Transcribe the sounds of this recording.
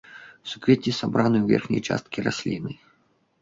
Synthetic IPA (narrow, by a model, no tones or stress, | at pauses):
sukʋʲetʲisabɾanɨwvʲɛ̰rxnʲɐ̰jt͡ʂa̰st̪̚kʲirasʲlʲinɨ